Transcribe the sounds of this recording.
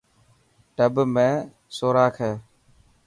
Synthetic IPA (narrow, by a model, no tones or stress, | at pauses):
ɖəbmẽː | soːɾaːkʰeː